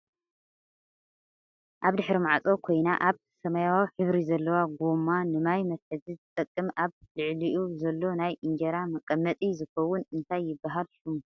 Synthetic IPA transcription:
ʔaβd̪ɨħɾimaʕt͡sʼokʰo̞jnaʔaβ | sɐmajawawħɨβɾizɐlːɐwaɡomanɨmajmɐsħɨzizɨt̪ʼɐkʼːɨmʔaβlɨʕliʔuzɐlːo̞najʔɨnd͡ʒɐɾamɐkʼːɐmːɐt̪ʼizɨxɐwːʊnɨnt̪ʰajːɪbːaɦalʃumu

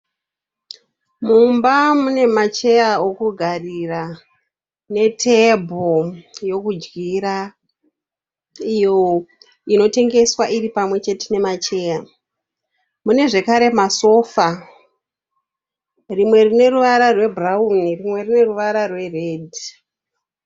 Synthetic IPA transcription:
mumbamune̞mat͡ʃe̞jao̞kuɡʱarira | ne̞tʰe̞bʱojo̞kud͡ʒɡiɾa | ijo̞ | ino̞te̞ŋɡe̞swaʔiɾipamwe̞t͡ʃe̞tene̞mat͡ʃe̞ja | mune̞ʐe̞kaɾe̞maso̞fa | rimwe̞rine̞ruʋaɾarwe̞braunirimwe̞rine̞ruʋaɾarwe̞reːdʱi

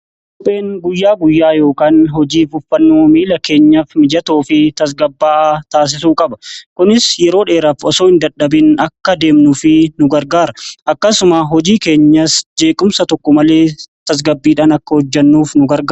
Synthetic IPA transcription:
kkɔpʼːe̞ːnɡʊjːaːɡʊjːaːjo̞ːkaːnhɔd͡ʒiːfʊfːɐnːoːmiːlɐke̞ːɲːɐfmɪd͡ʒɐt̪oːfɪt̪ɐs̬ɡɐbːaːt̪aːs̬ɪsuːkʼɐbɐkʊnɪsjɛɾo̞ːᶑe̞ːɾɐfɔsoːɪnd̪ɐᶑːɐbɪnɐkːɐd̪eːmnʊfɪnʊɡɐɾɡaːɾɐʔɐkːɐsʊmaɦɔd͡ʒiːke̞ːɲːɐsd͡ʒe̞ːkʼʊmsɐt̪ɔkːɔmɐle̞ːt̪ɐs̬ɡɐbːiːᶑaːnɐkːɐhɔd͡ʒːɐnːuːfnʊɡɐɾɡa

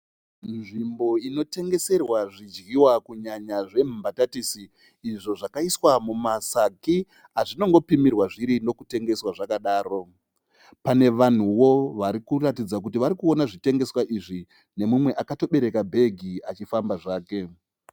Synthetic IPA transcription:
nʐimbo̞ino̞te̞ŋɡe̞se̞rwaʐid͡ʒɡiwakuɲaɲaʐe̞m̤umbatatisiː | ʐo̞ʐakaiswamumasaki | aʐino̞ŋɡo̞pimirwaʐiɾino̞kute̞ŋɡe̞swaʐakaɗaːɾo̞ | pane̞ʋan̤uwo̞ʋaɾikuratid͡zak̬utiʋaɾikuo̞naʐite̞ŋɡe̞swaʔiʐi | ne̞mumwe̞ʔakato̞ɓe̞ɾe̞kabʱe̞ɡʱiat͡ʃifambaʐaːke̞

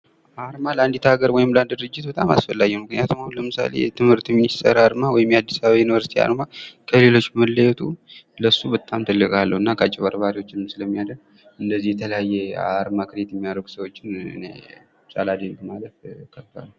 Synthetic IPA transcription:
aɾmaləand̪it̪ʰaɡəɾwɔjɪmland̪d̪ɨɾɨd͡ʒːɪt̪bət̪ʼama̰sfəlːaɡɛmɨknijat̪ʰumhawləmɨsa̰le̞̰jt̪ʰɨmhɨɾt̪minist̪ʰəɾaɾmawɔjɪmjad̪ːisaβaβajunivəɾsi̥t̪ʰia̰ɾmakʰəle̞lo̞t͡ʃːbməlːəjɛt̪ʰuləsubət̪ʼːamt̪ʰɨlːɨkʼalːəhɨnːakʰəat͡ʃʼɪβaɾbaɾiwo̞t͡ʃːɪnɨmsɨləmːijad̪ə | ɨnd̪əzːijɛt̪ʰələjajːɛa̰ɾmakʰɨɾet̪jɛmːijaɾəɡu̥səwo̞t͡ʃːɪnɨ̰nḛ | sʼalad̪enkmalət̪kʰət̪ʰa̰lːə

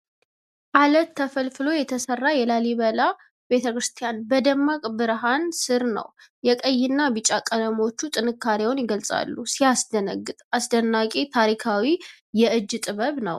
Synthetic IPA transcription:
ʔalət̪ʰːəfəlfɨlojɛt̪ʰəsərːajɛlaliβəla | be̞t̪ʰəkɾɨst̪ʰijanbəd̪əmːakʼbɨɾɦansɨɾnə̰wjɛkʼəjːɪnːabɨt͡ʃʼakʼələmo̞t͡ʃːut̪ʼɨnɨkːaɾewnjɪɡəlsʼa̰lːusiasd̪əɨt̪ʼasd̪ənːakʼet̪ʰaɾikʰawi | jɛʔɨd͡ʒːt̪ʼɨβəβnə̰w

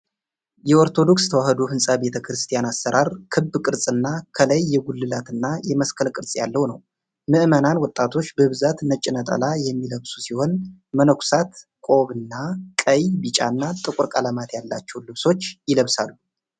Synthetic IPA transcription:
jɛo̞ɾt̪ʰo̞d̪o̞kst̪ʰəwahəd̪ofɨnsʼabe̞t̪ʰəkɾɨst̪ʰijanasːəɾʔaɾkʰɨbːkʼɨɾsʼɨnːakʰələjːɛɡulːɨlat̪ɨnːajɛməskʰəlkʼɨɾsʼja̰lːəwnəw | mɨʔmənanwɔt̪ʼːat̪ʰo̞t͡ʃːbəβzat̪nət͡ʃʼɪnət̪ʼə̰lajɛmːiləβsu̥siho̞nmənəkʷʰsat̪kʼo̞βɨnːakʼəjbit͡ʃʼa̰nːat̪ʼɨkʷʼʊɾkʼaləmat̪jalːat͡ʃːɛwlɨβso̞t͡ʃːjɪləβsalːu

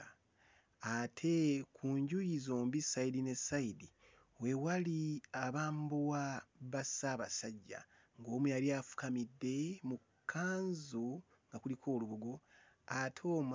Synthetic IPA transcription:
atʰe̞kʰuːɲɟujizoːmbisaidine̞saidi | we̞waliaβaːmbuwaβasaβasaɟːa̰ | ŋɡo̞ːmujaɾiafu̥kamidːe̞mu | kʰːaːnzu | ŋɡakulikʰo̞ːluβuɡo | atʰoːm

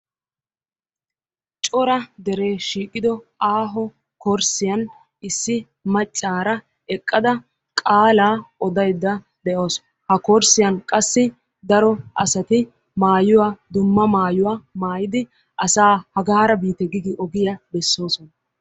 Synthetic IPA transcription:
t͡ʃʼɔɾɐd̪ɛɾe̞ːʃiːkʼːɪd̪ɔaːɦɔ | kɔɾsɪjɐn | ɪsːɪ | mɐt͡ʃʼːaːɾɐ | ɛkʼːɐd̪ɐ | kʼaːlaːʔɔd̪ɐjd̪ːɐ | d̪ɛʔo̞ːsɔ̥ | hɐkɔɾsɪjɐnkʼɐsːɪ | d̪ɐɾɔɐsɐt̪ɪ | maːjʊwad̪ʊmːɐmaːjʊwamaːjɪd̪ɪ | ʔɐsaːhɐɡaːɾɐbiːt̪ɛɡɪɡɪʔɔɡɪjɐbɛsːo̞ːsɔnɐ

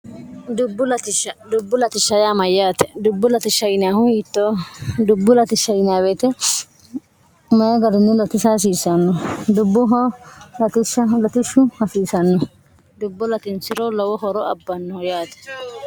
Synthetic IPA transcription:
d̪ʊbːʊlɐt̪ɪʃːɐd̪ʊbːʊlɐt̪ɪʃːɐjaːmɐjːaːt̪ɛ̥d̪ʊbːʊlɐt̪ɪʃːɐɪnaːhʊjiːt̪ːod̪ʊbːʊlɐt̪ɪʃːɐɪnaːweːt̪ɛ | mɐjɐɡɐɾɪnːɪlɔt̪ɪsas̬iːsɐnːɔd̪ʊbːʊɦɔlɐt̪ɪʃɐlɔt̪ɪʃʊhɐsiːsɐnːɔ | d̪ʊbːʊlɐt̪ɪnsɪɾɔlɔwɔɦɔɾɔɐbːɐnːɔɔjaːt̪ɛ̥

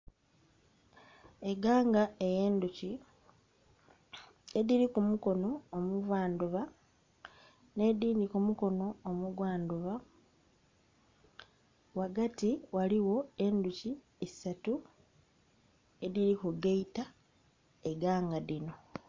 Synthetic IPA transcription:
e̞ɡaːŋɡae̞je̞ːnduci | eðiɾikumuko̞no̞ːmuvwaːnduβa | ne̞d̪iːndikumuko̞no̞ːmuɡwaːnduβa | waɡatiwaliwo̞e̞nduci | isatu | e̞ðiɾikuɡeita | e̞ɡaːŋɡaðino̞

